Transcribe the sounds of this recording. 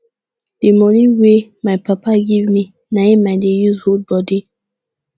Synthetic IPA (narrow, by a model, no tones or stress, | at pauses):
d̥emɔniwemaɪpapaɡivmi | naimaɪdejuzhod̚bɔdi